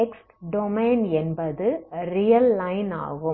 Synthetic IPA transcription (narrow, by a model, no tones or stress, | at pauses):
ɛks | ɖɔmeːnɛnbɐðɯɾɪjɐlːɐɪna̰ːɣɯ